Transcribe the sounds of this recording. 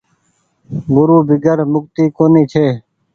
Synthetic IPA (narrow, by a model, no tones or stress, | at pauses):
bʊɾuːbɪɡəɾmʊk̚t̪iːkoːniːt͡ʃʰeː